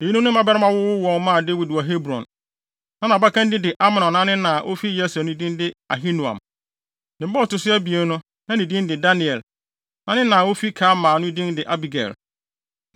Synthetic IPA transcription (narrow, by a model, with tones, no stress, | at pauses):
e˨ji˦nũ˦nʊ̃˦m˦a˦bɛ˦ɾa˦mã˦wʊ˦wʊ˦wɔ̃˨n˦mãː˦˨de˦wi˨da˨ɦe˦bɾɔ̰̃˨n | nã˦nã˨ba˦kã˦ndɪ˦dɪ˨ʔa˦ma˨nɔ̃˨nːã˦nɪ̃˦nã˨ʔo˦fi˦jɛ˦sæ˨nʊ̃˦dĩ˦ndɪ˦a̰˨ɦi˦nũ˨ã̰˨m | nɪ̃˨˦bɔ˦˨tʊ˨sʊ˦æ˦bi˨e˦n˦nʊ̃˦ | nã˦nĩ˨dĩ˦n˦dɪ˨da˦nĩ˨ɛ˨l | nã˦nɪ̃˦nã˨wo˦fi˦kʰaː˨˦mãː˨nʊ̃˦i˨dĩ˦ndɪ˨ʔa˦bi˨ɡɛ̰˨l